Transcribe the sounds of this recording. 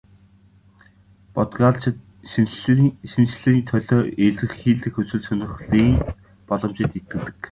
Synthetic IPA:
pɔt̪ɡaːɮt͡ɕ | ʃint͡ɕɮɘ̆iːnt̪ʰœɮɔːʔeɮɘ̆xxiːɮt̪ɘ̆xɵt͡swɘ̆ɮsœnʲɪ̆χɮiːŋ | pɔɮɞ̆mt͡ɕɪ̆t̪et̪̚ɡɘ̆t̪ɘ̆k

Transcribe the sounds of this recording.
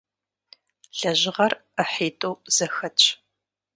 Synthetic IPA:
ɬɐʑɪʁɐrəħiːtʼowz̥ɐxɐt͡ʃʰʼ

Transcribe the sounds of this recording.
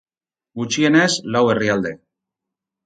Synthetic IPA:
ɡut͡ʃie̞nezlawe̞riald̪e̞

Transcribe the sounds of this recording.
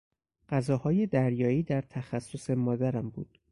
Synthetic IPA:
ɢæzɒːhɒːje̞d̪æɾjɒːiːd̪æɾt̪ʰæxæsːose̞mɒːd̪æɾæmbṵːd̪̥

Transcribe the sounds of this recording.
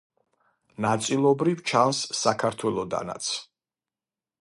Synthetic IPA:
nat̪sʼilˠɔbɾivt͡ʃʰansːakʰaɾt̪ʰwɛlˠɔd̪a̰na̰t̪sʰ

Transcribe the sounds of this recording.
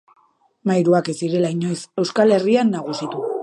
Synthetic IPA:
majɾuake̞siɾe̞laiɲo̞jse̞wskale̞rianːaɣ̞usit̪u

